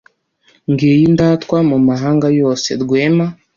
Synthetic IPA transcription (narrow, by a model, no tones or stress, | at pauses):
ŋɡiːjindatkwamumaɦaːŋɡajo̞ːse̞̰ɾɡweːma